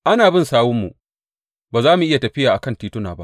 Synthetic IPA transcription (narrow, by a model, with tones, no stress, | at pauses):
ʔa˦naː˨bɪ˦nsaː˦wʊ˦mːṵ˨ | baː˨zaː˦mu˨ʔɪ˦ja˨tɐ˨ɸɪ˦jaː˨ʔa˨kɐ˦ntiː˦tʊ˦na̰ː˨ba˦ʔ